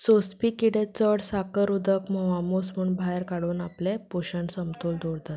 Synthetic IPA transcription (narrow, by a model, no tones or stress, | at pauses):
sospiːkiɽẽt͡səɽsakəɾud̪ʱəkməʋamosmuɳbʱajɾkaɽuːnaplepoɕəɳsəmt̪old̪oɽd̪at̪